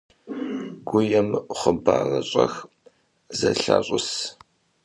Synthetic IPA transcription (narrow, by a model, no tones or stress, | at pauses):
ɡ̥ʷʊjɛmχəbaːrɐɕʼɐx | zɐɬa̰ːɕʼʊs